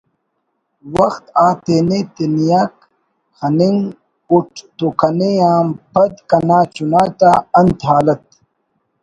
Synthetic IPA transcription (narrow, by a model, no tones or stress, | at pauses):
wɐxt̪aːt̪eːnet̪enijaːk̚ | hɐniŋ | uʈʰt̪ukʰɐneaːmpɐd̪kɐnaːt͡ɕunaːt̪aːɐnt̪aːlɐt̪̚